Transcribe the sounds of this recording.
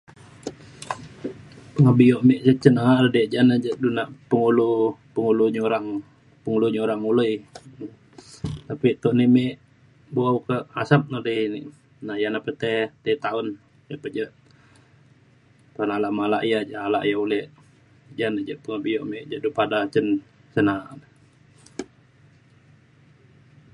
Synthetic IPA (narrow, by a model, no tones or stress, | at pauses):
pəŋəbijoʔmeʔd͡ʒət͡ʃənaaʔɾəded͡ʒanəd͡ʒəʔdunaʔpəŋulupəŋuluɲoɾaŋ | pəŋuluɲəuɾaŋuləj | t̪apit̪oʔnimeʔ | buawkəʔasap̚nadənḭʔ | najanapət̪ɛt̪et̪aʊn | d͡ʒəʔpəd͡ʒəʔ | t̪aunalaʔmalaʔjad͡ʒaalaʔjaulɛʔ | d͡ʒanəʔd͡ʒəʔpəŋəbijoʔmeʔd͡ʒaʔdupadat͡ʃən | sənaʔnə